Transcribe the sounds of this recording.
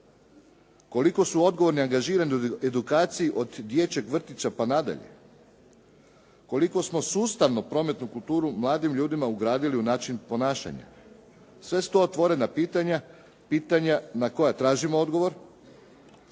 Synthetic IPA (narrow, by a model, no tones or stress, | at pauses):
ko̞liko̞suo̞d̪ɡoʋo̞ɾniaŋɡaʒiːɾanioed̪ukaːt̪sijiʔo̞d̪d̪je̞t͡ɕe̞ɡʋr̩t̪it͡ʃapanad̪a̰ʎe̞̰ | ko̞liko̞smo̞suːst̪aʋnopɾo̞me̞t̪nukulˠt̪uːɾumlˠaːd̪imʎuːd̪imauɡɾaːd̪iliunaːt͡ʃinpo̞naːʃa̰ɲa̰ | sʋe̞st̪oot̪ʋo̞ɾe̞napiːt̪aɲa | piːt̪aɲanako̞jat̪ɾaːʒimood̪ɡo̞ʋo̞ɾ